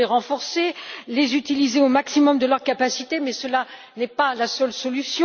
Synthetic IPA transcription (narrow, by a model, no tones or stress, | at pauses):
eʁɑ̃fɔʁselezyt̪ilizeomaksimɔmd̪əlœʁkapasit̪emɛsəla | nɛpalasœlsɔlysjɔ̃